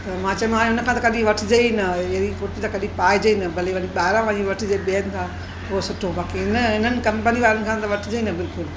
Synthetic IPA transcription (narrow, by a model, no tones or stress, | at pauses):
t̪ɐmãːt͡ɕɐ̃mãːʊnə̆kʰãːt̪̬ɐkɐɗĩʋɐʈʰɪd͡ʑɐinɐɐikoːʈit̪ɐkɐɗĩpaːjd͡ʑɐinɐbɐliʋɐniɓaːɾãʋãɲĩʋɐʈʰɪd͡ʑeɓeːənt̪ʰã | poosʊʈʰːõbaːkiɦɪnəɦɪnənɪ̆kɐ̃mpəniʋaːɾɪnɪ̆kʰãːt̪ɐʋɐʈʰɪd͡ʑɐinɐbɪlkʊl